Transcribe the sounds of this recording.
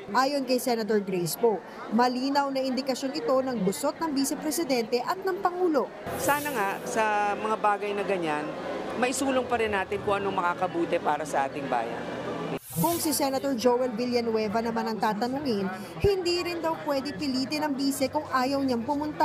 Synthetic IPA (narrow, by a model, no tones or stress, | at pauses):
ʔaːjonkɐjsɛnɐt̪oɹɡɾejsbo | mɐliːnɐwnɐʔɪnd̪ɪkɐʃjo̞nɪt̪o̞nɐŋbʊso̞t̪̚nɐŋbiːsɛpɾɛsɪd̪ɛnt̪ɛʔɐt̪̚nɐŋpɐŋuːlo̞ | saːnɐŋaʔsɐmɐŋabaːɡɐjnɐɡɐɲanmɐʔɪsuːloŋpɐɾɪnːaːt̪ɪnkʊʔɐnoŋmɐŋakɐbuːt̪ɛpaːɾɐsɐʔaːt̪ɪŋba̰ːjɐ̰n | kʊŋsɪsɛnɐt̪oɹd͡ʒowɛlviljɐnwɛvɐnɐmanɐŋt̪aːt̪ɐnuŋɪn | hɪnd̪iːɾɪnd̪ɐwpwɛd̪ɪpɪliːt̪ɛnɐŋbiːsɛkʊŋʔaːjɐwɲaŋpʊmʊnt̪a